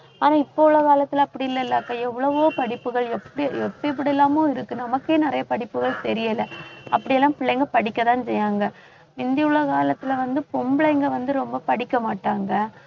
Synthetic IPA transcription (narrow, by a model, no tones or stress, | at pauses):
aːnaːɪpːoːɭːɐkaːlɐt̪ːɪlɐːpːɐɽɪɪlːɐɪlːaːkːaːɛʋːɐɭɐʋoːpɐɽɪpːɯɣɐɭɛpːɐɽiɛpːɐɛp̬ːɐɽɪɛlːaːmõːɪɾɯkːɯnɐmɐkːeːnɪɾɐjɐpɐɽɪpːɯɣɐɭt̪ɛɾɪjɐlɐɐpːɐɽɪjɛlːãːpɪɭːɐŋɡɐpɐɽɪkːɐt̪ãːnsɛjaːŋɡɐ | ʋɪnd̪ɪɯɭːɐkaːlɐt̪ːɯlɐʋɐnd̪ɯpɔmblɐɪŋɡɐʋɐnd̪ɯɾɔmbɐpɐɽɪkːɐmaːʈːaːŋɡɐ